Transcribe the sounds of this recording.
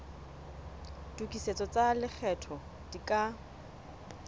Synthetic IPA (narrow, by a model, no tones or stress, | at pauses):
dukʼiset͡sɔt͡salɪk͡xʰɛtʰɔ | d̥ikʼa